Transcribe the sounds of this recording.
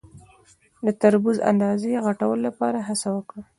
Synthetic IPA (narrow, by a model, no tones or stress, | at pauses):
d̪ət̪aɾbuza̰nd̪ɑzeɣaʈawəlolapɑɾaɦasawəkɽa